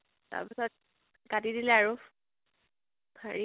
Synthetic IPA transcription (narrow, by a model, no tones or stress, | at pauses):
ta̰pisɔt̚ | ɡatidilɛaɹu | bʰʱaɹi